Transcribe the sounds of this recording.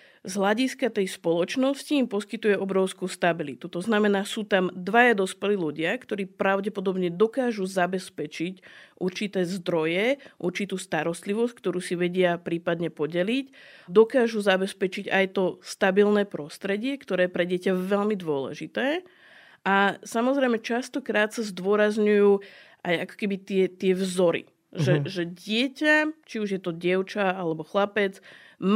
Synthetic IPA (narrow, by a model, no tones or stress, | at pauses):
zɦlaɟiskat̪ɛjspɔlɔt͡ʃnɔsciːmpɔskit̪ujɛʔɔbɾɔʊskuːst̪abilit̪ut̪ɔznamɛnaːsuːt̪amd̪ʋajad̪ɔspɛliːluɟɪakt̪ɔɾiːpɾaʊɟɛpɔd̪ɔbɲɛd̪ɔkaːʒuzabɛspɛt͡ʃicʔuɾt͡ʃit̪ɛːzd̪ɾɔjɛʔuɾt͡ʃit̪uːst̪aɾɔst̪liʋɔsc̚k̚t̪ɔɾuːsiʋɛɟɪapɾiːpad̪ɲɛpɔɟɛlicd̪ɔkaːʒuzabɛspɛt͡ʃiɟajt̪ɔst̪abilnɛːpɾɔst̪ɾɛɟɪɛkt̪ɔɾɛːjɛpɾɛɟɪɛcaʋɛlmid̪ʊɔlɛ̰ʒit̪ɛː | ʔasamɔzɾɛjmɛt͡ʃast̪ɔkɾaːt̪sazd̪ʊɔɾazɲujuːʔajakɔ̥kɛbit̪ɪɛt̪ɪɛvzɔɾḭ | ʒɛʒɛɟɪɛcat͡ʃiuʒjɛt̪ɔɟɪɛʊt͡ʃaalɛbɔxlapɛt͡s | m